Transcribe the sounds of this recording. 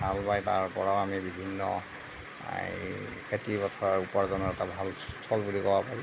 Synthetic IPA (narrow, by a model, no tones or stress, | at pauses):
bʱalbajta̰ɹpɔɹaʊamibibʱinːɔ̰ | kʰetibɔtʰɔɹaɹupɔɹzɔnɔɛtabʱaltʰɔlbulikɔbapaɹi